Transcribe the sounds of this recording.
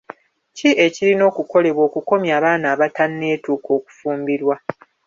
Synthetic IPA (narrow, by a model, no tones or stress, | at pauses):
ciʔe̞ciɾino̞ːkuko̞le̞βwo̞ːkuko̞mjaːβaːnaːβatanːe̞ːtuːko̞ːku̥fuːmbiɾwa